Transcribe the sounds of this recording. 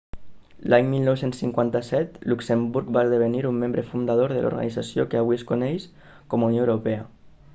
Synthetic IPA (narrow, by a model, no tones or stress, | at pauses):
lʔaɲmilnɔwsensːiŋkwant̪əsɛt̪luksembuɾk̚bazðəβeniɾumːẽmbɾəfund̪að̞oɾðə̰lʔṵɾɣa̰nid͡zasiokeaβwiəskunɛjs | kɔmunjoewɾupɛə